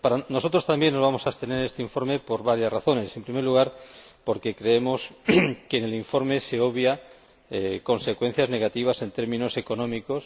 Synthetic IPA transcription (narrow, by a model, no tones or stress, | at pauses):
paɾano̞so̞t̪ɾo̞st̪ambje̞nːozβamo̞saest̪e̞neest̪eiɱfo̞ɾme̞po̞ɾβaɾjasraθo̞ne̞se̞mpɾimeɾluɣ̞aɾpo̞ɾke̞kɾe̞emo̞skeneliɱfo̞ɾme̞se̞o̞βja | eko̞nse̞kwe̞n̟θjazne̞ɣat̪iβ̞ase̞nt̪eɾmĩno̞se̞ko̞nõ̞miko̞s